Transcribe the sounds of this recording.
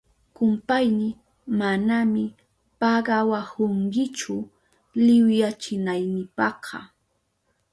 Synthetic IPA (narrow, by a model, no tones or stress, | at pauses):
kʊmpajnɪ | manamɪ | pɑɢɑwahʊŋkɪt͡ʃʊ | lɪwjat͡ʃɪnajnɪpɑqʰɑ̰